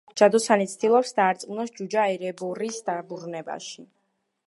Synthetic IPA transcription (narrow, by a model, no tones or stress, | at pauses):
d͡ʒ̥ad̪ɔsanit̪sʰt̪ilˠɔpsd̪aːɾt̪sʼqʼunɔsd͡ʒud͡ʒaɛɾɛbɔɾisd̪abuɾnɛba̰ʃi